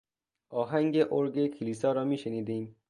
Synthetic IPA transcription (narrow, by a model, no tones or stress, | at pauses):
ɒːɦæŋɡeʔoɾɡekʰiliːsɒːɾɒːmiːʃeniːd̪iːm